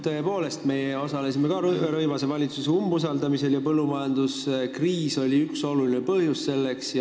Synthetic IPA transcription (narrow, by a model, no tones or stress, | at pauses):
t̪ɤe̞po̞ːle̞st̪me̞jeo̞sɑle̞simekɑɾɤhveɾɤjvɑsevɑlʲit̪suseumbus̬ɑld̪ɑmise̞ljɑpɤlːumɑjɑnd̪uskriːso̞lʲiykso̞lulinepɤhjusse̞lːe̞ksj